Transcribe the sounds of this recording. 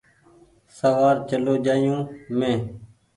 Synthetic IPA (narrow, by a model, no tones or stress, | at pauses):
səʋaːɾt͡ʃəloːd͡ʒaːjũːmẽː